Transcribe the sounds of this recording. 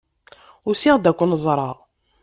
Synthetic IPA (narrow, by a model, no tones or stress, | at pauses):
ʊɾsiʁd̪ækʷːənəzˤɾˤɑ